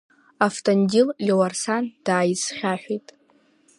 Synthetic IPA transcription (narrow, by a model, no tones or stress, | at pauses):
aftʼondʲillʲewarsand̥aːjisχʲaħʷᶣijtʼ